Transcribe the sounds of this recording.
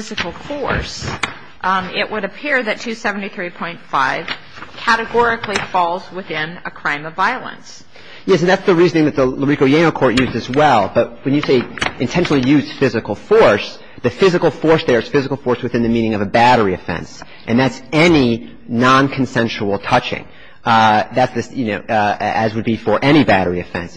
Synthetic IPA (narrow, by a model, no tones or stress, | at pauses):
ɪzɨkl̩ˠfɔɹs | ɪʔwʔəɾɨpʰɪɹðɨtʰʉsɛvn̩tiθɹipʰɔ̃ɪ̃ntfaɪv̥ | kʰæɾɨɡɔɹɨklifɔlˠzwɪθɪ̃nɨkʰɹ̥ãɪ̃mʌvaɪl̩ˠə̰̃ns | jɛsɨ̃n̩ðætsðɨɹiznɪ̃ŋðɨt̪̚ðələɹikoʊjẽɪ̃noʊkʰɔɹʔ̚jʉzdɨzwɛlˠb̥ʌt̚wɨ̃njɨseɪʔɨ̃ntʰɛ̃nʃnl̩ˠijʉz̥fɪzɨkl̩ˠfɔɹs | ðɨfɪzɨkl̩ˠfɔɹsðə˞ɨz̥fɪzɨkl̩ˠfɔɹswɨθɪ̃nðɨmĩɾ̃nɪ̃ŋʌvɨbæɾə˞iɨfɛ̰̃ns | ʔɨ̃nðætsɛni | nɑ̃nkʰn̩sɛ̃nʃəl̩ˠtʰʌt͡ʃɪ̰̃ŋ | ðætsðɨsjɨnoʊɨzwɨd̚bifə˞ʔɛɾ̃ibæɾə˞iɨfɛ̰̃ns